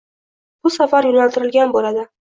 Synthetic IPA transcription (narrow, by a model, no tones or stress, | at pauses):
b̥ʊsafaɾjʊnalt̪ɪɾɪlɡʲanbolad̪ɪ